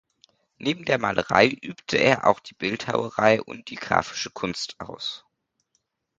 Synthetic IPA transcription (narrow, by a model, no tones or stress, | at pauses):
nʔeːbm̩deːɐmaːlʔəʁa̰ɪʔyːptʰəʔeːɐʔa̰ʊxd̥iːb̥ɪltha̰ʊəʁaɪʔʊ̰nt̚d̥iːɡ̥ʁa̰ːfɪ̥ʃəkʰʊnstʔaʊs